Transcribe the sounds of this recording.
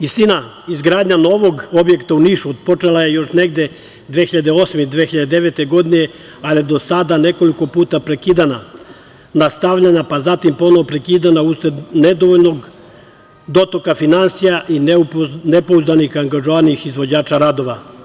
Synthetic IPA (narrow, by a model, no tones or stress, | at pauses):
ist̪ina | izɡɾaːd̪ɲano̞ʋo̞ɡo̞bje̞kt̪auniːʃuod̪̚po̞t͡ʃelaje̞jo̞ʃneɡd̪e | d̪ʋexiʎad̪eo̞ːsmed̪ʋexiʎad̪ed̪eʋet̪e̞ɡo̞d̪ine | alijed̪o̞sad̪ane̞ko̞liko̞puːt̪apɾe̞kiːd̪ana | nast̪aʋʎaɲapazat̪impo̞noʋopɾe̞kiːd̪anausened̪oʋolno̞ɡ | d̪o̞t̪okafinansijaʔinnepouzd̪anixaŋɡaʒoʋaniixizʋo̞d͡ʑaːt͡ʃaɾad̪o̞ʋa